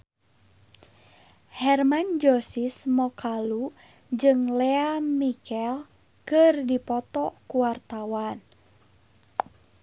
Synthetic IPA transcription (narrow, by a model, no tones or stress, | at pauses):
hɛrmand͡ʒɔsismɔkalu | d͡ʒɨŋlɛamikɛl | kɨrdipɔt̪ɔkuwart̪awan